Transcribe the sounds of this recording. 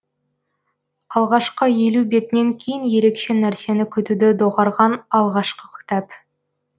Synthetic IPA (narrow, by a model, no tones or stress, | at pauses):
ɑlˠʁɑʃqəje̞lube̞t̪ɪne̞ŋkʲʰejɪnje̞ɾe̞kʃe̞næɾse̞nɪkʲʰʏt̪ud̪ɪd̪oʁɑɾʁɑnɑlˠʁɑʃqəkʲʰɪ̥t̪ɑp